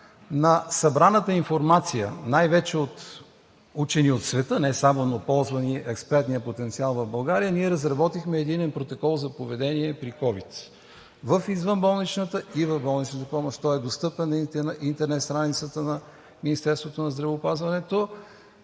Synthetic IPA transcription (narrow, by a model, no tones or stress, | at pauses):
nɐsɐbɾanət̪əinfoɾmat̪sijə̰najvɛt͡ʃɛot̪ | ut͡ʃɛniot̪svɛt̪ɤnɛsamonopɔlˠzvɐniʔɛkspɛɾt̪nijəpot̪ɛnt̪sialˠvɐvbɐlˠɡaɾijəniɛɾəzɾɐbɔt̪ixmɛːd̪inɛnpɾot̪okɔlˠzɐpovɛd̪ɛniɛpɾikɔvit̪ | vəfizvənbɔlˠnit͡ʃnət̪əivəvbɔlˠnit͡ʃnət̪əpɔmoʃt̪ɔɛd̪ost̪ɤpɛnːinʔint̪ɛɾnɛt̪st̪ɾanit̪sət̪ənɐ | minist̪ɛɾst̪vot̪onɐzd̪ɾɐvɛʊpazvɐnɛt̪o